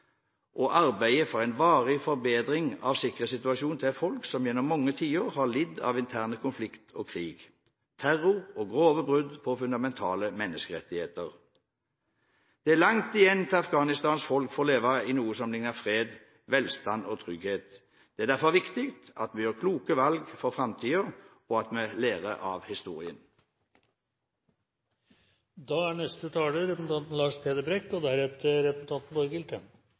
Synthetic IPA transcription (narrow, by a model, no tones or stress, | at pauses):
ʔɔʔɑʁbæɪəfɔʁæɪnʋɑːʁɪfɔʁbeːd̪ʁɪŋɑ̰ʋsɪkːʁəsɪt̪ʉɑʃuːnt̪ʰɪfɔlksɔmjɛnːɔmːɔŋːət̪ʰiːoʁhɑlɪd̪ɑ̰ːʋɪnt̪ʰæʁnəkʰʊnflɪkt̪ʰɔːkʰʁiːɡ | t̪ʰæʁʊʁɔːɡʁoːʋəbʁʉd̪pʰɔfʉnɑmɛnt̪ʰɑːləmɛnːəskəʁɛt̪ːɪheːt̪əʁ | d̪̥ɛæʁlɑŋt̪ɪjɛnt̪ʰɪɑfɡɑːnɪst̪ɑːnsfɔlkfɔːʁleːʋɑɪnuːəsɔmlɪŋnəʁfʁeːd̪ | ʋɛlst̪ɑnɔt̪ʰʁʏɡheːt̪ | d̪̥ɛæʁd̪æʁfɔʁʋɪkt̪ɪkt̪ɑt̪mɛjøːʁkʰluːkəʋɑlɡfɔʁfʁɑmt̪ʰiːəʁ | ɔɑt̪mɛleːʁəʔɑʋhɪst̪uːʁɪən | d̪ɑːæɳɛst̪ət̪ʰɑːləɾɛpn̩t̪ʰɑnt̪n̩lɑːʂpʰeːd̪əbɾɛkːɔd̪ɛhæɾɛpt̪ʰəɾɛpən̩t̪ʰɑnt̪n̩bɔɾɡɪlt̪ən